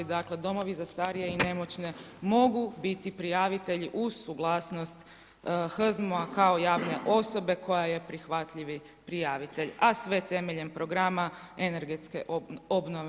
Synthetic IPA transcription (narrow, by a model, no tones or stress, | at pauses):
id̪akle̞d̪o̞mo̞ʋizast̪aːɾije̞ine̞mo̞t͡ɕne̞mo̞ɡubit̪ipɾijaʋit̪e̞ʎiʔuzsuɡlˠaːsno̞st̪ | xr̩zmoakao̞jaːʋne̞ʔo̞so̞be̞kʰo̞jaje̞pɾixʋat̪ʎiʋi | pɾijaʋit̪e̞ʎasʋe̞t̪e̞me̞ʎe̞mpɾo̞ɡɾamaene̞ɾɡe̞t̪ske̞̰ʔobnoʋ